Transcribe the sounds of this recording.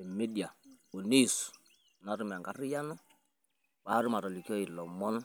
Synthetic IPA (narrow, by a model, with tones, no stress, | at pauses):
e˨me˦di˨a˨u˨ni˦˨su̥˨ | na˨˦ɾu˦m˨a˨ŋɡa˦ɾi˦ja˦nɔ˦ | wa˦ɾu˦ma˨tɔ˨li˨ki˦ɔ˦i˨lɔ˨mɔ˦n˦